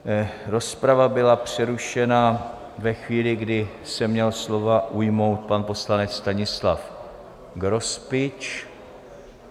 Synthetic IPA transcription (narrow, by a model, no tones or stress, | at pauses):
ɾo̞spɾavabɪlapr̝̥ɛɾuʃɛna | vɛxviːlɪɡdɪ | sɛmɲɛlslo̞vaʔujmo̞wt̪̚panpo̞slanɛt͡sst̪aɲɪslaf | ɡɾo̞spɪt͡ʃ